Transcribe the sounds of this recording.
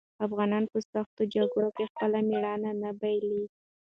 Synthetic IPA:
afɣɑnɑnpəsaxt̪od͡ʒaɡuokexpəlamiɽɑnanabajli

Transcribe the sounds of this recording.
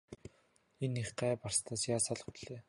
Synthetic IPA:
eniχɢæːparst̪ʰaːsjaːsɔɮɞ̆χt̪ɮ̥eː

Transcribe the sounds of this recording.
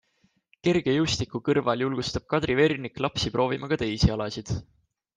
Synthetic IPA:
ke̞rɡ̥e̞just̪ikːˑukɤrvɑljulɡ̥ust̪ɑb̥̚kɑd̪̥rive̞rniklɑpsipɾro̞ːvimɑkɑt̪e̞jsiɑlɑsid̪̥

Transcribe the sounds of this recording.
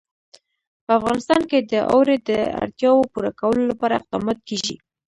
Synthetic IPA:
pəafɣɑnɪst̪ɑnked̪əʔa̰wɾed̪əa̰ɽt̪jɑwopuɾakawəlolapɑɾaɪqd̪ɑmɑt̪̚keʒḭ

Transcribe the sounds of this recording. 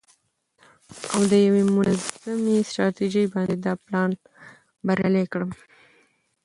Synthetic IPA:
a̰wd̪əjawemʊnazamesʈɾɑt̪iʒəjbɑnd̪ed̪ɑplɑn | baɾjɑlekɽəm

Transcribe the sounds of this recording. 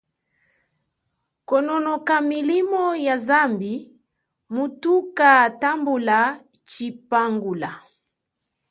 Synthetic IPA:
kɔnɔnɔkamilimɔjazambi | mutukatambula | t͡ʃipaŋɡula

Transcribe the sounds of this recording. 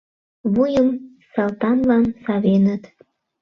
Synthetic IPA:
βujəm | sɑlˠt̪ɑnlɑnsɑβenət̪

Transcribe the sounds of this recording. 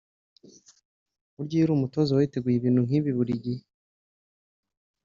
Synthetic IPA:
uɾɟiːiɾuːmutozowaite̞ɡujiβiːnhuŋ̥iβiβuɾiɟi

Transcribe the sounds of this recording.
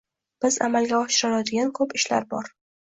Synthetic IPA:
b̥ɪza̰malɡʲaɒʃɪɾɪlad̪ɪɡʲankʰɵpɪʃla̰ɾbɒ̰ɾ

